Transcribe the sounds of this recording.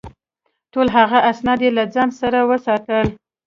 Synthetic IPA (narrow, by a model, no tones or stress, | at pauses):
ʈolɦaɣaʔasnɑd̪jelad͡zɑnsaɾawəsɑt̪əl